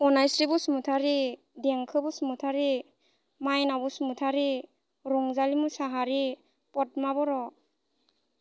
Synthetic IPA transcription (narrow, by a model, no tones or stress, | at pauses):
ɔnajsɾibusumutʰaɾi | deŋkʰɯbusumutʰaɾi | majnabɔsumutʰaɾi | ɾɔŋzalimusaɦaɾi | pɔt̚mabɔɾɔ